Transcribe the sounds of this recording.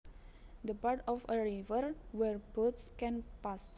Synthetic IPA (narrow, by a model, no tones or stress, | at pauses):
d̪əpaɹtɔfəɹivəɹwɛɹbot̪skɛ̃npas